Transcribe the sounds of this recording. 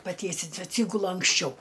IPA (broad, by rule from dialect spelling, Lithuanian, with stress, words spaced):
pɐˈtʲiɛsʲɪnʲsʲʊ ɐtʲˈsʲiːɡʊlˠʊ ɐŋksʲˈt͡ʃʲɛʊ